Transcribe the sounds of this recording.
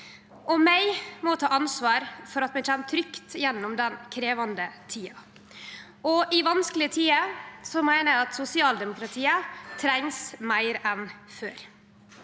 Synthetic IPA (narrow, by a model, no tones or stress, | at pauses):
ʔɔmæɪmɔt̪ʰɑːɑnsʋɑːɾfɔɾɑt̪mɛçʰɛːnt̪ʰɾʏkt̪jɛnːʊmd̪ɛnkʰɾeːʋɑnd̪ət̪ʰiːɑ | ʔɔʔɪʋɑnsklɪət̪ʰiːəsɔmæɪnəɑt̪sʊsɪɑːld̪ɛmʊkɾɑt̪ʰiːət̪ʰɾɛŋsmæɪɾɛnfø̰ːɾ